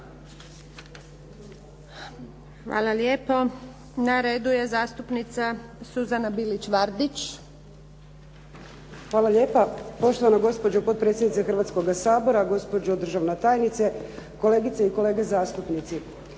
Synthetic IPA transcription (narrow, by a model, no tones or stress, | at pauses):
xʋa̰ːlaljeːpo | naɾeːd̪uje̞zaːst̪upnit̪sasuzanabilit͡ɕʋaɾd̪it͡ʃ | xʋaːlˠaʎje̞ːpapo̞ʃt̪oʋanoɡo̞spod͡ʑopo̞t̪̚pɾe̞t̪sjed̪nit̪exrɾʋat̪sko̞ɡasaːbo̞ɾaɡo̞spo̞d͡ʑod̪ɾ̩ʒaʋnet̪aːjnit̪seko̞le̞ːɡit̪seiko̞le̞ːɡezaːst̪upnit̪si